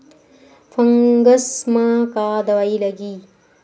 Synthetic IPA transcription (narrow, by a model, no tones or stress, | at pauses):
fɐŋɡəsmãkaːd̪ɐwailɐɡi